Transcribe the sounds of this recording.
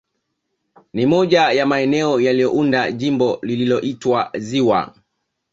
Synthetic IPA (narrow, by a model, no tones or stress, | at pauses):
nimɔʄajamaɛnɛɔjalijɔʔundaʄimbɔlililɔʔitwaziwa̰